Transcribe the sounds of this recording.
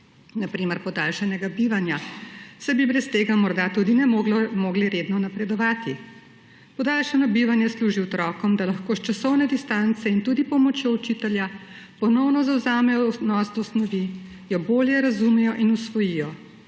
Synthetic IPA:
napɾiːmɛɾpɔd̪alʃɛnɛɡabiʋanjasɛbibɾɛst̪eːɡamɔɾd̪at̪ud̪inɛmlmoɡliɾeːd̪nɔnapɾɛd̪ɔʋaːt̪i | pɔd̪alʃɛnɔbiʋanjɛsluːʒiwɔt̪ɾɔːkɔmd̪alaxkoːʃt͡ʃasɔwnɛd̪ist̪ant̪sɛint̪uːd̪ipɔmɔt͡ʃjout͡ʃit̪ɛlja | pɔnɔwnɔzawzaːmɛjɔnɔsd̪ɔsnɔʋi | jɔboːljɛɾazumɛjɔʔinusʋɔjijɔ

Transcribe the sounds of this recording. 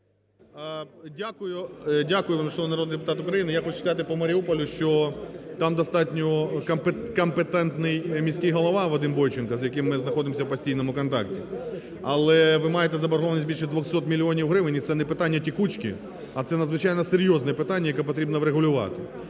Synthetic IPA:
dʲakʊjʊdʲakʊjʊʋmʃɔʊnɐɾoɔd̪nid̪epʊt̪ɑt̪ʊkɾɐjinɪjaxɔt͡ʃʊ̥skɐɑt̪ɪpɔmɐɾʲiupɔlʲʊʃt͡ʃɔt̪ɑmd̪ɐst̪ɑtʲnʲɔkɐp | kɐmpet̪ɛnt̪nɪjmʲisʲkʲɪjɦɔlˠɐʋɑʋɐd̪ɪmbɔjt͡ʃɪnkɐzjɐkɪmːɪznɐxɔd̪ɪmɔsʲɐwpɐsʲtʲijnɔmʊkɔnt̪ɑ̰ktʲi | ɐlˠɛʋɪmɑjet̪ɛzɐbɐɾɦɔʋɐnʲisʲbʲilʲʃɛd̪ʋɔxsɔt̪mʲilʲiɔnʲiwɦɾɪʋɪnʲit̪sɛnɛpɪt̪ɑnʲːɐtʲikut͡ʃkʲḭ | ɐt̪sɛnɐd̪zʋɪt͡ʃɑjnɐseɾʲjɔznɛpɪt̪anʲːɐjɐkɛpɔt̪ɾʲibnɐʋɾeɦʊlʲʊʋɑ̰t̪ɪ

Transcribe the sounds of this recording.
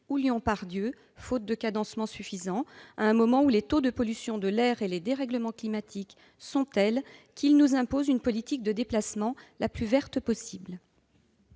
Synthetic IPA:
uljɔ̃paʁd̪jø | fot̪̚d̪əkad̪ɑ̃smɑ̃syfizɑ̃aɛ̃mɔmɑ̃ulet̪od̪əpɔlysjɔ̃d̪əlɛʁeled̪eʁɛɡləmɑ̃klimat̪ʰik | sɔ̃t̪ɛlkʰilnuzɛ̃pozynpɔlit̪ik̚d̪əd̪eplasmɑ̃laplyvɛʁt̪pɔsibl

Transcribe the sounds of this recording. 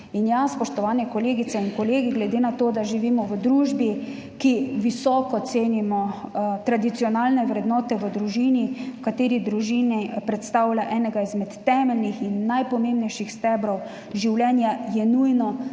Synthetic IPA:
injaspɔʃt̪ɔʋaːnɛkɔleːɡit̪sɛinkɔleːɡiɡlɛd̪eːnat̪oːd̪aʒiʋiːmɔʋəd̪ɾuːʒbi | kiʋisɔːkɔt̪seːnimɔt̪ɾad̪it̪sijɔnaːlnɛʋɾɛd̪nɔːt̪ɛʋəd̪ɾuʒiːniwkat̪eːɾid̪ɾuʒiːnipɾɛt̪st̪aːwlʲaʔɛːnɛɡaizmɛt̪ːɛːmɛlnixinːajpɔmẽmbnɛjʃixst̪ɛːbɾɔw | ʒiwlʲɛnjajɛnujnɔ

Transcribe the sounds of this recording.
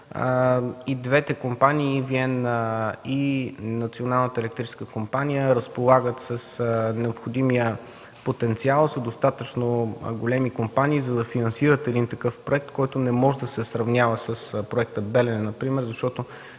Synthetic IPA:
ə̰id̪vɛt̪ɛkompaniːviɛn | iːɐt̪sionalˠnət̪əɛlɛk̚t̪ɾit͡ʃɛskəkompanijəɾəspolˠaɡət̪səsnɛopxod̪imijə | pot̪ɛnt̪sialˠsəd̪ost̪at̪ət͡ʃnoɡolɛmikompaniːzɐd̪ɐfinɐnsiɾət̪ɛd̪int̪ɐkɤfpɾoɛk̚t̪kɔjt̪ʊnɛmɔʒɛd̪ɐsɛsɾɐvnʲavəsəspɾoɛk̚t̪əbɛlɛnnːɐpɾimɛɾzɐʃt̪ɔt̪o

